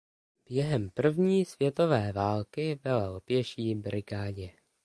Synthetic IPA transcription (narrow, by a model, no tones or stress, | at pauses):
b̥jɛɦɛmpr̩vɲiːsvjɛt̪o̞vɛːvaːlkɪbɪlaopjɛʃiːbɾɪɡaːɲɛ